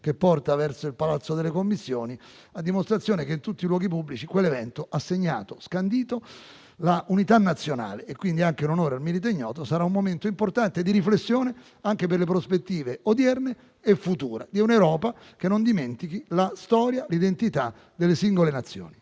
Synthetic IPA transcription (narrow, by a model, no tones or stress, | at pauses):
kepːɔrt̪avɛrsoilpalat̪sːod̪elːekomːisːjoːni | ad̪ːimost̪ɾat̪sjoːnekeint̪ut̪ːilwɔːɡip̬ubːlit͡ʃikwelːevɛnt̪oasːeɲːa̰ːt̪oskand̪iːt̪o | laʔunit̪anːat̪sːjona̰ːleːkːwind̪iaŋkeunonoːɾealmiɾit̪̬eɲːɔ̰ːt̪osaɾaumːoment̪oimport̪ant̪ed̪iɾiflesːjoːne | aŋkeperlepɾospet̪ːiːveod̪jɛrneː | fːut̪uːɾa̰d̪iunewɾɔːpa | k̟enːond̪iment̪ikilast̪ɔːɾjalid̪ent̪it̪a | d̪elːesiŋɡolenat̪sːjo̰ːni